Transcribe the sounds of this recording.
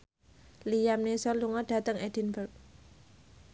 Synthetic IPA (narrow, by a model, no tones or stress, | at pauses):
lijamnesɔluŋɔɖ̥a̤t̪əŋed̥i̤nbərk̚